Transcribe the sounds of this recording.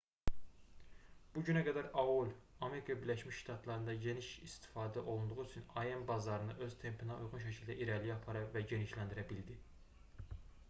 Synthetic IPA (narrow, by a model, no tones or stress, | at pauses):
b̥uɟynæɡæd̪æɾɑolʲ | ɑme̞ɾikʰɑbiɾlæʃmiʃʃt̪ʰɑt̪ʰlˠɑɾɯnd̪ɑɟe̞niʃist̪ʰi̥fɑːd̪æʔo̞lˠund̪uʁuyt͡ʃʰynɑjembɑzɑɾɯnɯʔø̞z̥t̪ʰempʰinɑujʁunʃ̬æcʰilʲd̪æʔiɾæliɑpʰɑɾɑvæɟe̞niʃlænd̪iɾæbild̪i